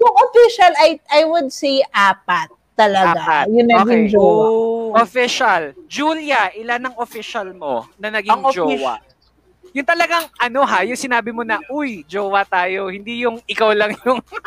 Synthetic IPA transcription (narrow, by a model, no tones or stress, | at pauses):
jʊŋʔofiʃɐlɐjʔɐjwʊd̪̚sejʔaːpɐt̪ːɐlɐɡaɐjʊnɐɡiŋd͡ʒoʔofɪʃɐld͡ʒuːljɐʔɪlanːɐŋofɪʃɐlmo̞̰nɐnɐɡiŋd͡ʒowa | jʊŋt̪ɐlɐɡaŋʔɐno̞ɦajʊŋsɪnaːbɪmo̞nɐʔʊjd͡ʒoːwɐt̪aːjo̞hɪnd̪ijʊŋʔɪkawlɐŋjʊŋ